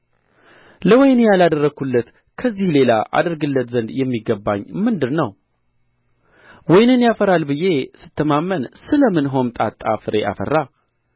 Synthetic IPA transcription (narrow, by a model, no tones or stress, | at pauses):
ləwɔjnjalad̪ərːəɡulːət̪ | kʰəzːihle̞la̰ʔa̰d̪əɾɡɨlːət̪zənd̪jɛmːiɡəbːaɲːmɨnd̪ɨɾnəw | wɔjnɨnjafəɾalbɨje̞sɨt̪ːəmamːənsɨləmɨnɦo̞mt̪ʼat̪ʼːafɨɾe̞̰ʔa̰fə̰rːa